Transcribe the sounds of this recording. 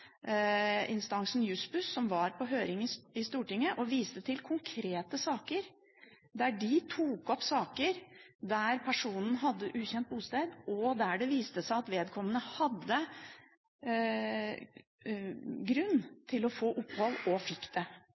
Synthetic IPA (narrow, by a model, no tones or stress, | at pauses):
ɪnst̪ɑŋsn̩jʉspʉsːɔmʋɑɾpʰɔɦøːɾɪŋəɪst̪uːʈɪŋːəʔɔʋiːst̪ət̪ʰɪlkʰʊŋkʰɾeːt̪əsɑːkəɾ | d̪æɖɪt̪ʰuːkɔpsɑːkəɾd̪æɾpʰæʂuːnn̩ɦɑd̪ːəʔʉːçɛnt̪̚buːst̪eːd̪ʔɔd̪æɖɛʋiːst̪əsæɪɑt̪ʋeːd̪kʰɔmːənəhɑd̪ːə | ɡɾʉnːt̪ʰɪlɔfoːʔʊpːhɔlɔfɪkːd̪̥ɛ